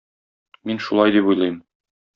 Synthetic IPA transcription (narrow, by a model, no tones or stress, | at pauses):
minʃulˠɑjd̪ipujlˠɤjm